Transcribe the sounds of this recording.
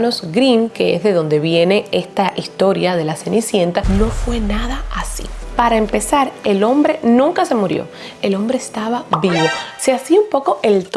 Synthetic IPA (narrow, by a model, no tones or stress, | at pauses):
nosɡɾiŋke̞ḛzðe̞ðo̞nd̪e̞βje̞ne̞e̞st̪aʔist̪o̞ɾjað̞e̞lasenisje̞nt̪ano̞fwe̞naðaasḭpaɾaempe̞saɾelo̞mbɾe̞nũŋkase̞muɾjo̞̰ | e̞lo̞mbɾe̞ːst̪aβaβiβo̞seasiumpo̞ko̞ʔelt̪